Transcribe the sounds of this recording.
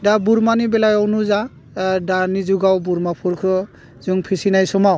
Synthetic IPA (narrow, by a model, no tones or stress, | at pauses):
dabuɾmanibɛlajɔwnuza | daɾnizuɡawbuɾmapʰuɾkʰɯ | zɯŋpʰisinajsɔmaw